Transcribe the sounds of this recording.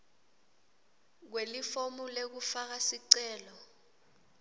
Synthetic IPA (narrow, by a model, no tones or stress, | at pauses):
k̬welifomulek̬ufak̬asiǀɛːlɔ